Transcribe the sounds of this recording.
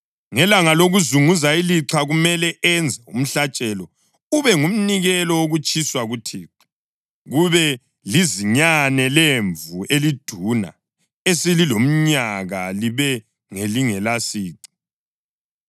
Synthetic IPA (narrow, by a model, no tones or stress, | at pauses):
ŋɛlaŋaloɣuzuŋuzailiǁʰaɣumɛlɛʔɛnd͡zʱɛṵm̩ɬat͡ʃʼɛlɔ | uβɛŋum̩niɣɛlɔwoɣut͡ʃʼʰiswaɣutʰiːǁɛ̥ | ɣuβɛ | liziɲanɛleɱvuʔelid̥ʱuna̰ | esililom̩ɲaɣaliβɛ | ŋeliŋɛlasiːǀi̥